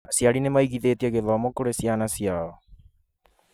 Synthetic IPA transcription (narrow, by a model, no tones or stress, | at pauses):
asjaɾinemaiɣiðetiaɣeðamokoɾesianasiaɔ